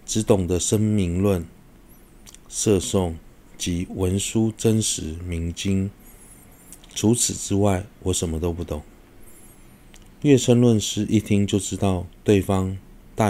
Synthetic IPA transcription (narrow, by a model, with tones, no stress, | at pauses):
ʈ͡ʂɻ̩˧˥t̪ʊ˨˩ŋd̪ə˨ʂə˥nmi˧˥ŋlwə˥˨n | sɤ˥˧sʊ˥˩ŋ | t͡ɕi˧˥wə˧˦nʂu˦ʈ͡ʂə˦˥nʂɻ̩˧˥˦mi˧˥ŋt͡ɕi˥ŋ | ʈ͡ʂʰu˨˦˥t͡s̩ʰ˨˩ʈ͡ʂɻ̩˥wa˥˩ɪwɔ˧˥ʂə˨˦nmə˦t̪o˥ʊpu˥˩t̪ʊ˨˩˦ŋ | ɥɛ˥˨ʂʰə˥nlwə˥˨nʂɻ̩˥ʔi˥˩t̪ʰi˥ŋt͡ɕjo˥˩ʊʈ͡ʂɻ̩˥t̪ɑ˥˨ʊt̪we˥˨ɪfɑ˦ŋ | t̪a˥˨